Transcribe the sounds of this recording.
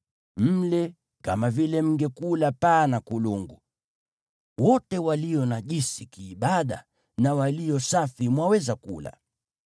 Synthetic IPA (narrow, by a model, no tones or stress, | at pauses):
m̩lɛ | ka̰mavilɛm̩ɡɛkulapaːnakuluŋɡu | wɔtɛwalijɔnaʄisikiːɓaɗa̰ | nawalijɔsafimwawɛzakṵla̰